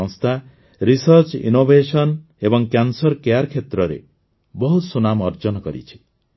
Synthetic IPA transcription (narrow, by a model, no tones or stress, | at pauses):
ɔ̃ŋst̪ʰa | ɾisʌɾt͡ʃḭnobʱesɔn | ebɔŋkjansɔɾkejaɾkʰet̪ɾɔɾḛ | bɔɦusunamɔɾd͡ʒɔnɔkɔɾḭt͡ʃʰi̥